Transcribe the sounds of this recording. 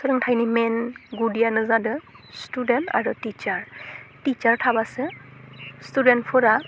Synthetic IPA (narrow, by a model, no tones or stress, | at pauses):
sʰɔlɯŋtʰajnimɛnɡudijanɯzadɯ | studɛnta̰ɹutit͡ʃaɹtit͡ʃaɹtʰabasɯ | studɛntpʰɯɾa